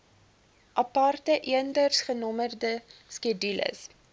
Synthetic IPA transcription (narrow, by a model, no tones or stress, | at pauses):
ʔɐpɐrtəʔiəndərsχənɔmərdəskidylə̰s